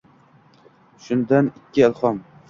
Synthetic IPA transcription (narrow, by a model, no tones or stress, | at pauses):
ʃʊnd̪anɪkʲʰːɪɪlˠχɒm